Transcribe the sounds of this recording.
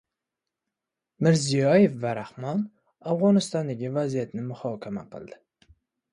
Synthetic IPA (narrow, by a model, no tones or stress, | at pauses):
mɪɾzijɑjefvæɾaχmɑn | afʁɑnɨst̪ɑnd̪aɡʲɪvæzijat̪nɪmʊχɑkʲʰama̰qɨ̰lˠd̪ɪ̥